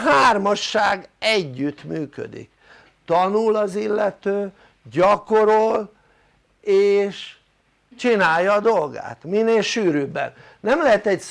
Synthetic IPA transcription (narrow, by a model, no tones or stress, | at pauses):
ɦaːrmɒʃːaːɡɛɟːyt̪myːkø̰d̪ḭk | t̪ɒnulɒzilːɛt̪øː | ɟɒko̞ɾol | eːʃ | t͡ʃinaːjːɒːd̪o̞lɡa̰ːt̪mineːlʃyːɾyːbɛ̰nː | ɛmlɛɦɛt̪ɛcs